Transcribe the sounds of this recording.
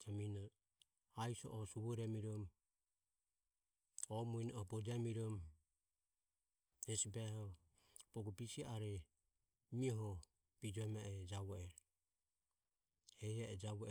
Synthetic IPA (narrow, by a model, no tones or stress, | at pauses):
d͡ʒaminɔ | aisɔ̰ʔɔsuβuɾɛmiɾɔm | ɔmuinɔɔbɔd͡ʒamiɾɔm | d͡ʒɛsibɛhɔ | b̥ɔɡɔbisiaʔaɾɛ | miɔɦɔ | b̥id͡ʒɔɛmaɛd͡ʒaβɔɛɾɔ | hɛjaɛd͡ʒaβɔ